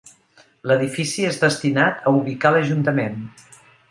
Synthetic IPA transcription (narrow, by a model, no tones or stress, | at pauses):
ləðifisiezðəst̪inat̪əuβikaləʒunt̪əmen